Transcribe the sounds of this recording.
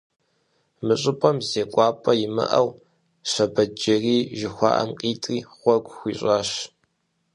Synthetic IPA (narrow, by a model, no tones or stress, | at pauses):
mɨɕʼɪpʼɐmzeːkʷʼɑːpʼɐjɪmɨ̰ʔɐw | ɕɐbɐd͡ʒɐriːʒɪxʷɑ̰ʔɐ̰mqʼiːtʼriːʁʷɔɡʷʼxʷiːɕʼɑːɕ